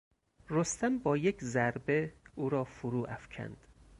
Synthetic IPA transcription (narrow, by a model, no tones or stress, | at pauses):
rost̪æmbɒːjecʰzæɾbe̞uːɾɒːfuɾuːʔæfcʰæ̰nd̪̥